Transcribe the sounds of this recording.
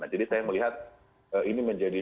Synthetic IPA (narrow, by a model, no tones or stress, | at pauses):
nad͡ʒadisajaməliɦat̪̚ | əiniməɲd͡ʒadi